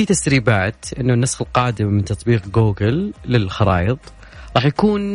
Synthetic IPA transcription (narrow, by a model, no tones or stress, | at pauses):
it̪asɾiːbaːt̪ʔɪnːʊnːasxɪlqɑːd̪ɪmːɪnt̪ɑt̪ˤbiːqɡoːɡɪlːɪlxɑɾˤɑ̰ːjɨðˤ | ɾˤɑːħjakuːn